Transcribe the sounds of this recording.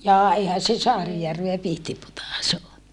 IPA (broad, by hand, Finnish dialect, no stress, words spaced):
jɑː eihæn̞ se sɑːrijærʋeæ pihtiputɑˑs o